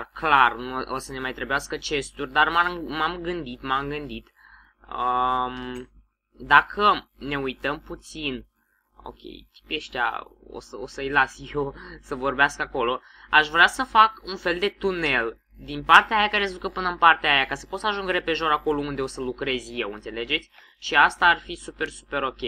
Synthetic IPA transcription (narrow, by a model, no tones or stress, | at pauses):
rklarnuʔosəne̞majt̪ɾebujaskət͡ʃe̞st̪urʲd̪armamamɡɨnd̪it̪mamɡɨnd̪it̪ | əm | d̪akʰəne̞ujt̪əmput̪sin | o̞̰kʲḛjt̪i̥pjeʃt̪a̰o̰səosəɨjlasjesəvo̞rbeaskako̞lo̞ | aʃvɾeasəfakunfe̞ld̪e̞t̪une̞l | d̪inpart̪eaːjakaɾe̞s̬əd̪ukəpɨnəɨnpart̪eaajakasə̥po̞t̪səaʒuŋɡəɾe̞pe̞ʒo̞ɾako̞lo̞und̪e̞o̞səlukɾe̞zje̞wɨnt̪se̞le̞d͡ʒe̞t̪sʲ | ʃiast̪aːrfisupe̞rsu̥pe̞ɾo̞kʲej